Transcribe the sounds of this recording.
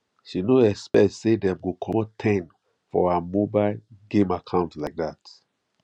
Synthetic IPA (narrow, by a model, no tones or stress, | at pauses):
ʃinoɛkspɛktsedɛ̃mɡokʰɔ̃mɔtʰɛ̃n | fɔ̰amobaɪlɡẽmakʰãʊ̃ntlaɪk̚dat